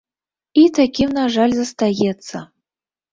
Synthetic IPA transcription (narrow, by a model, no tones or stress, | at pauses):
it̪akʲimnaʐalʲzɐst̪ajɛt̪sːə